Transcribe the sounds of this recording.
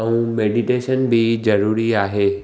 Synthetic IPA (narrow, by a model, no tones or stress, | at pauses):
ə̃ũmeːɖiʈeːʃənbʱid͡ʑɐɾuːɾiaːɦeː